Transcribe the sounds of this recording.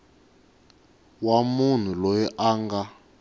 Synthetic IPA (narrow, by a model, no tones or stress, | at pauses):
wamun̤ulɔjɛʔaːŋɡa